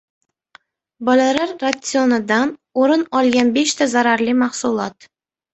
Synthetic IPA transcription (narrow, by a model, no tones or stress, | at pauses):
bɒlalaɾːasɨonɪd̪anoɾɪnɒlˠɡʲanbe̞ʃt̪ʰazaɾaɾlimaχsulˠɒt̪